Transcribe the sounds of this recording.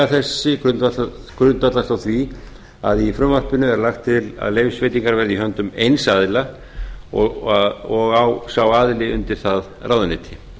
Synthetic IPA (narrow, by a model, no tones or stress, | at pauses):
aθɛsːɪkɾʏ | kɾʏnt̪vat̪last̪awθvi | a̰ðifɾʏmːar̥pɪnʏɛɾlaxt̪ʰːɪla̰ðlejfsveːjt̪iŋkaɾvɛɾðiɦœnt̪ʏmejnsaðɪla | ɔ | ɔɣawsawaðlɪʏnt̪ɪɾ̥θað | rʔaːwðanɛːt̪ʰɪ̥